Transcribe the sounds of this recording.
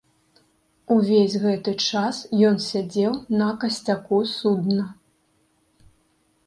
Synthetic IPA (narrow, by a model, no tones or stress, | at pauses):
uvʲesʲɣɛt̪ɨt͡ʂasjɔnsʲad͡zʲɛwnɐkɐsʲt͡sʲakusud̪nɐ